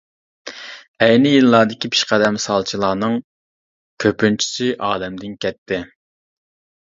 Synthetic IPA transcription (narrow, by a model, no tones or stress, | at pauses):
ɛjnɪjilˠːɑːd̪ɪkʲipʰi̥ʃqɛd̪ɛmsɑlˠt͡ʃʰilˠɑːnɨŋ | kʲʰøpynt͡ʃʰi̥siʔɑːlɛmd̪ɪnkʲʰɛt̪ʰːɪ